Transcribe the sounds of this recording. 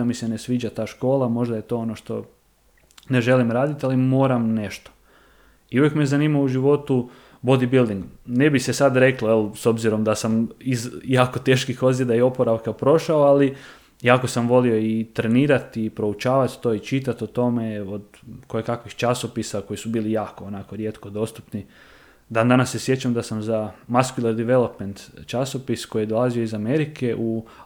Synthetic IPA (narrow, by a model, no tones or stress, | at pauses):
amisene̞sʋiːd͡ʑat̪aːʃko̞ːlˠamo̞ʒd̪aje̞t̪o̞ːo̞no̞ʃt̪o̞ | ne̞ʒe̞limɾaːd̪it̪alimo̞ːɾamne̞ʃt̪o̥ | iuʋjekmezaniːmauʒiʋo̞t̪u | bo̞d̪ibilˠd̪iŋɡnebisesad̪ɾe̞klˠoelso̞bziɾo̞md̪asamizjaːko̞t̪e̞ːʃkixo̞zjed̪aio̞poɾaʋkapɾo̞ʃaoali | jaːko̞samʋo̞lio̞it̪ɾe̞niːɾat̪ipɾo̞ut͡ʃaːʋat̪t̪o̞ːit͡ʃit̪at̪ot̪o̞me̞od̪ | kojekakʋixt͡ʃaso̞pisako̞jisubiːlijaːko̞onako̞ɾje̞ːt̪ko̞d̪o̞st̪upni | d̪and̪anasːe̞sje̞t͡ɕamd̪asamzamaskulˠeɾd̪iʋe̞lo̞pment̪t͡ʃaso̞pisko̞jid̪o̞lˠazio̞izame̞ɾike̞ʔu